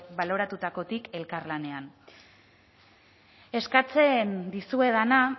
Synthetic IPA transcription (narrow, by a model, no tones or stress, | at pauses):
βalo̞ɾat̪ut̪ako̞t̪ike̞lkaɾlane̞an | e̞skat͡se̞nd̪isue̞ðana